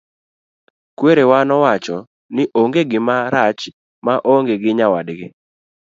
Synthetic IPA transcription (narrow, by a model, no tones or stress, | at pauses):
kweɾewanɔwat͡ʃɔ | nɪʔoŋɡeɡɪmaɾat͡ʃ | maʔoŋɡeɡɪɲawadɡɪ